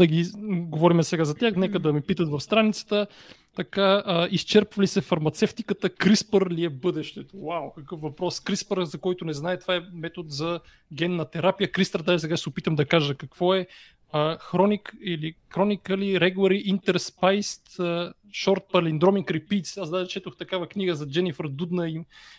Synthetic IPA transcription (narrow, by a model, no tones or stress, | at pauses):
d̪ɐɡiɡovɔɾimɛsɛɡazɐt̪ʲaxnɛkəd̪ɐmipit̪ət̪vɐfst̪ɾanit̪sə̥t̪ə | t̪ɐkaəist͡ʃɛɾpvəlisɛfɐɾmɐt̪sɛft̪ikət̪əkɾispəɾliɛbɤd̪ɛʃt̪ɛt̪owawkɐkɤfvɐpɾɔskɾispəɾzɐkɔjt̪ʊnɛznaɛt̪ovaɛmɛt̪ot̪zɐ | ɡʲɛnːɐt̪ɛɾapijəkɾist̪əɾd̪aʒisɛɡaʃsɛʊpit̪əmd̪ɐkaʒəkɐkv̥ɔɛ | əxɾɔnikilixɾɔnikəliɾɛɡˠɐɾiʔint̪ɛɾspajst̪ə | ʃɔɾt̪̚pɐlind̪ɾɔminkɾipit̪sasd̪aʒit͡ʃɛt̪oxt̪ɐkavəkniɡəzɐd͡ʒɛnifəɾd̪ud̪nɐim